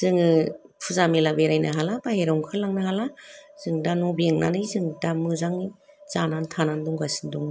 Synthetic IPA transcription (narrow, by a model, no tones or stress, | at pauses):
z̥ɯŋɯpʰuzamilabeɾajnaɦalabaheɾawŋkʰɯlːaŋnahalaz̥ɯŋdanɔbieŋna̰nɯjzɯŋdamɯzaŋi | z̥anantʰanandɔŋɡasi̥ndɔŋ